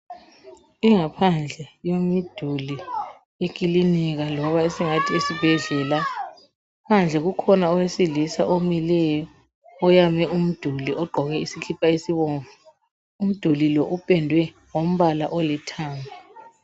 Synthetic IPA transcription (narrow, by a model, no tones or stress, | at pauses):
iŋapʰand͡ɮʱɛjomid̥ʱuli | ek̬ʼiliniɣ̬alɔβaesiŋatʰiesib̥ʱɛɮɛla | pʰand͡ɮʱɛɣukʰɔnaɔwesilisaʔomilɛjɔ | ɔjamɛʔum̩d̥ʱuliʔɔɡ͡ǃʱɔɣɛisikʰipʰaesiβɔːɱvu | um̩d̥ʱulilɔʔupʼɛndʱwɛ | ŋom̩βalaʔolitʰaːmbʱa